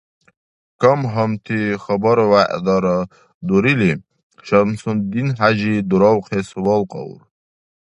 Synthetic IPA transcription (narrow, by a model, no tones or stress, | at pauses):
kəmɦəmt̪ʰixəbɔɾwaʔd̪ɑɾə | d̪uɾili | ʃəmsund̪inɦaʑid̪uɾɔwqʰesuwɔlqɑ̰wɾ